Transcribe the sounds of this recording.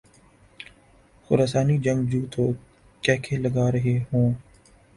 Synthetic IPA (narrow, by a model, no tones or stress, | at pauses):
xʊɾaːsaːniːd͡ʒəŋɡd͡ʒuːt̪ʰoː | kɛːkʰeːləɡaːɾəɦeːɦõː